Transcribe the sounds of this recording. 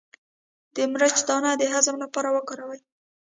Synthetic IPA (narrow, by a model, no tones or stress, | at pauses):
d̪̥əmɾət͡ʃd̪ɑnad̪əɦazamlapɑɾawəkɑɾawəj